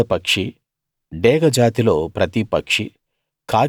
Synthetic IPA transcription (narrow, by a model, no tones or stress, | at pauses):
ɐpɐkʂi | ɖɛːɡɐd͡ʒaːt̪ilo̞ːpɾɐt̪ipɐkʂi | kʰaː